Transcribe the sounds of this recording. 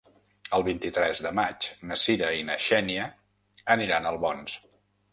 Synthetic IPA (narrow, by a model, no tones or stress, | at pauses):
əlˠβint̪it̪ɾɛzðəmat͡ʃnəsiɾəinəʃɛniə | əniɾanəlˠβɔns